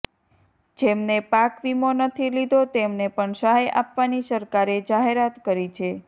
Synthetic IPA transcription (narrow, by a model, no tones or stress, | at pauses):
d͡ʒemnepakʋimonət̪ʰilid̪ʱot̪emnepəɳsəɦaja̰pʋanisəɾkaɾed͡ʒaɦeɾat̪kəɾit͡ʃʰe